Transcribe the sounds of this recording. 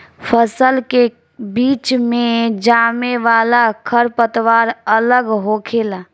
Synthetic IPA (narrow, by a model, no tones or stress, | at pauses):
pʰəsəlke | biːt͡ʃmẽd͡ʒaːmeʋaːlakʰəɾpət̪ʋaːɾələɡɦoːkʰeːlaː